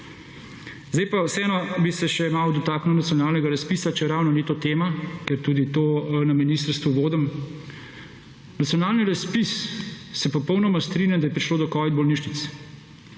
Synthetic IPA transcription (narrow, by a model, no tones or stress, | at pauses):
zd̪ɛjpawsɛɛːnɔbisɛʃɛmawd̪ɔt̪aːknuwnat̪sijɔnaːlnɛɡaɾaspiːsat͡ʃɛɛɾawnɔnit̪ot̪eːmakɛɾt̪uːd̪it̪oːnaminist̪əɾst̪ʋuʋoːd̪əm | nat̪sijɔnaːlniɾaspissɛpɔpɔwnɔmast̪ɾinjand̪ajɛpɾiʃloːd̪ɔkɔːʋid̪̚bɔlniʃnit̪s